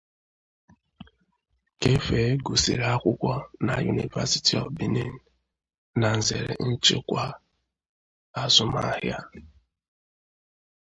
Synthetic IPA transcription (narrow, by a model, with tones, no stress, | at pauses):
ke˦fe˨˦ɡu˨sḭ˨ɾa˦kʷʊ˦kʷa˦na˨ju˨nḭ˨va̰˦si̥˦ti˨ɔ̰˨fbi˦ne˦˨n̩˨ | na˨n̩˨ze˨ɾḛ˨n̩˦t͡ʃḛ˦kʷa˦ | a˨zʊ˦ma̰˦hja˦